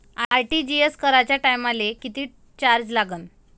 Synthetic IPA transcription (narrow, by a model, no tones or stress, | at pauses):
aajʈid͡ʑieskəɾat͡ɕjaʈajmalekit̪iː | t͡ɕaɾd͡ʑlaɡən